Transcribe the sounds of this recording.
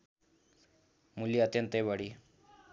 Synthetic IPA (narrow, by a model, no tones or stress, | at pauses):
muliət̪jənt̪ebaɽiː